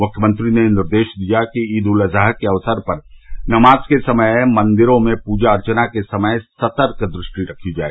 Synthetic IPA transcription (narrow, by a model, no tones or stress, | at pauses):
mʊkʰjəmə̃nt̪ɾinenɪɾd̪eːʃd̪ijakiiːd̪ulɐzaːɦkeɐʋsəɾpɐɾnɐmaːzkesɐməjmɐ̃nd̪ɪɾõmẽpuːd͡ʒaɐɾt͡ʃənakesɐməjsɐt̪əɾkd̪ɾɪʃʈiɾɐkʰid͡ʒaːḛɡ